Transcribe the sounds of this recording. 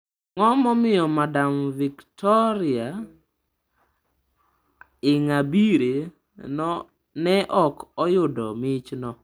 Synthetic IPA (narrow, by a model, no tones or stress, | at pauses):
ŋɔmɔmɪjɔmadamviktɔɾɪa | ɪŋabiɾe | n | nɛʔɔkɔjʊdɔ̰mɪt͡ʃnɔ